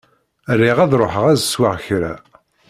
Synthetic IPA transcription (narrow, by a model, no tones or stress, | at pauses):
rːɪʁæðɾˤoħəʁæzswaʁçɾæ̰